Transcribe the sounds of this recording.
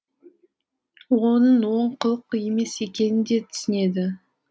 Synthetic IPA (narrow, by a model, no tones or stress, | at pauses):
wonəɴwo̞ɴqʰəlˠəqje̞me̞se̞kʲe̞nɪnd̪e̞t̪ʰʏ̥sɪne̞d̪ɪ